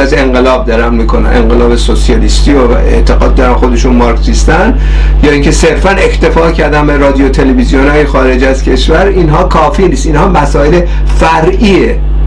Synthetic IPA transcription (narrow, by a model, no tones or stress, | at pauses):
æze̞ŋɢelɒːb̚d̪ɒɾænmiːkʰonæmʔe̞̰ŋɢelɒːbesosijɒlist̪iːo | ḛt̪ʰeɡɒ̰ːd̪̚ːɒɾænxo̞d̪e̞ʃunmɒːɾksist̪æn | jɒːiːŋcʰese̞ɾfæne̞xʰt̪ʰe̞fɒːcʰæɾd̪ænbeɾɒːd̪ijot̪ʰe̞levizijonɒːjexɒːɾe̞d͡ʒæzcʰe̞ʃvæɾinɦɒːkʰɒːfiːniːst̪inhɒːmæsɒːele | fæɾʔiːe